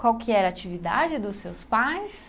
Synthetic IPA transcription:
kwawkʰɪɛɾat͡ʃivid̪a̰d͡ʒɪd̪ʊsewspajs

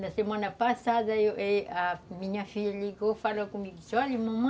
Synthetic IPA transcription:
nasemwanapasad̪ajoʔeamiɲafilikofalakumikisalimõm

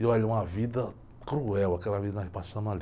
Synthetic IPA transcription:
ewaleũɐvid̪ɐ | kɾuɛwakɛlɐvid̪ɐnaipasõnal

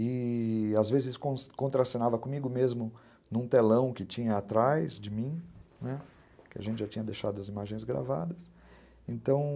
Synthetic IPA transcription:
ɪazvezɪzɪsʊ̥kõskõnt̪ɾasõnavɐkõmiɡʊmezmʊ | nũt̪elɐ̃w̃kɪt͡ʃĩɲɐat̪ɾajzd͡ʒɪmĩnɛ | kɪa̰ʒẽnt͡ʃɪʒat͡ʃĩɲɐd̪ejʃad̪ʊɐzimaʒẽj̃zɡɾa̰va̰d̪ɐs | ẽnt̪ɐ̃w̃

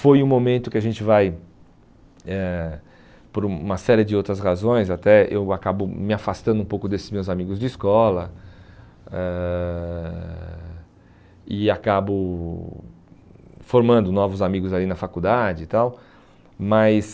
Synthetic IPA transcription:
fojũmomẽnt̪ʊkɪaʒẽnt͡ʃɪvaj | ɛ | poɾũmɐsɛɾiɪd͡ʒɪowt̪ɾɐshazõj̃zat̪ɛḛwakabʊmɪafast̪ɐ̃nd̪ʊũpowkʊd̪esɪ̥zmewzamiɡʊzd͡ʒɪiskɔlɐ | ɛ | ɪakabʊ | foɾmɐ̃nd̪ʊnɔvʊzamiɡʊzalinɐfakud̪ad͡ʒɪt̪aw | mɐjs

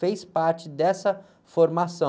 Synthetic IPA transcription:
fejspaɾt͡ʃɪd̪ɛsɐ | foɾmasɐ̃

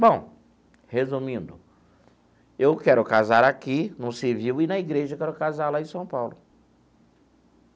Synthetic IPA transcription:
bõw̃ | hezũmĩnd̪ʊ | ewkɛɾʊkazaɾakinʊ̃sɪviwɪnɐiɡɾeʒɐwkɛɾʊkazaɾlaẽsɐ̃w̃pawlʊ

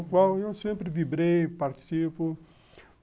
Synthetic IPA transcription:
kwawewsẽmpɾɪvibɾejpaɾt̪i̥sipʊ

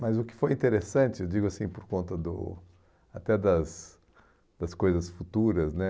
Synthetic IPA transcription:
mɐzʊkɪ̥fojĩnt̪eɾesɐ̃t͡ʃɪewd͡ʒiɡʊasĩpoɾkõnt̪ɐd̪ʊ̰ | at̪ɛd̪ɐs | d̪̥ɐskojzɐsfut̪uɾɐznɛ

